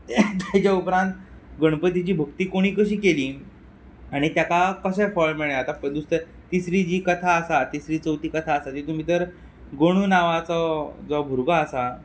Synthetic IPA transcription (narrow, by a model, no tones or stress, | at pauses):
t̪jat͡ɕaupɾãnt̪ | ɡəɽ̃pət̪it͡ɕiːbʱəkt̪iːkoɽ̃iːkəɕiːkeliː | aɽ̃it̪jakakəɕəjfɔɭmiɭẽat̪apəɳd̪ust̪ə | t̪isɾid͡ʑiːkət̪ʰaəsat̪isɾiːt͡səwt̪iːkət̪ʰaəsatiːt̪um̤iːt̪əɾ | ɡoɽ̃unaʋat͡sɔd͡zɔbʱuɾɡaəsa